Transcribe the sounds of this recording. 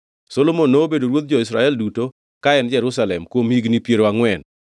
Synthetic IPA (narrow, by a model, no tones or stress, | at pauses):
solomonːobedoɾwot̪̚d͡ʒɔisɾaɛlduto | kaɛnd͡ʒɛɾusalɛmkwomhiɡnipjeɾoaŋwɛn